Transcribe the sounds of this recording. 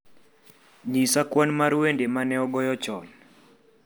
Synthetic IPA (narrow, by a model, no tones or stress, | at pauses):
ɲisakwanmaɾwendemanɛɔɡɔjɔt͡ʃɔn